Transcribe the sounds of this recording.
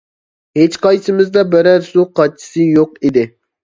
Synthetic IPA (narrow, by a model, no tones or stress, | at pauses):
het͡ʃqɑjsɨmɪzd̪ɑbɪɾæɾsuqʰɑt͡ʃʰi̥sɨjoqid̪ɪ